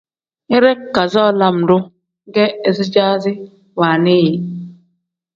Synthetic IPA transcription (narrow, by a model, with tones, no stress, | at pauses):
e˦ɾe˦˨ka˨zɔː˦˨la˦m̩˨dʊ˦ | ɡe˦e˨zɪ˦d͡ʒa˦zɪ˦ | wa˨ne˦je˨